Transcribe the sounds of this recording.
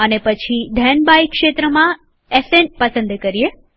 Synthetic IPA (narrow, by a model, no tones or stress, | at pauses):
ənepət͡ʃʰid̪ʱɛnbajkʃet̪ɾəmã | esenpəsə̃nd̪kəɾie